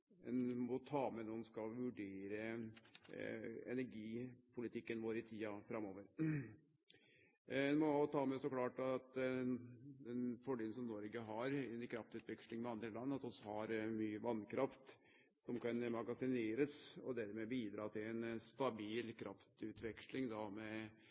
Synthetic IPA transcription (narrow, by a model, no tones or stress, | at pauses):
ɛnmɔt̪ʰɑːmɛnuːnskɑʋʉɖeːɾə | ɛ̰næɾɡiːpʰʊlɪt̪ʰɪkːənʋoːɾɪt̪ʰiːɑfɾɑmoːʋəɾ | ɛnmɔt̪ʰɑːmɛɔsɔklɑːʈɑt̪ | d̪ɛnfɔɖiːlnsɔmnɔɾɡəɦɑɾɪnkʰɾɑft̪ʉːt̪ʋɛkʂlɪŋmɛɑnd̪ɾəlɑnːɑt̪ɔsɔhɑɾmyːəʋɑnkʰɾɑft̪ | sɔmkɑnmɑɡɑsɪneːɾəsɔd̪æɾmɛbiːd̪ɾɑːt̪ʰɪlɛnst̪ɑbiːlkʰɾʔɑft̪ʉːt̪ʋɛkʂlɪŋd̪ɑmɛ